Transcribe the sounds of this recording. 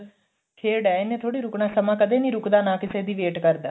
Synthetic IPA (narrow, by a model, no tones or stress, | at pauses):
kʰeːɽɛːɪnẽːt̪ʰoːɽiːɾʊknaːsəmãːkəd̪ẽːnĩːɾʊkd̪aːnãːkɪseːd̪iːʋeːʈkəɾd̪aː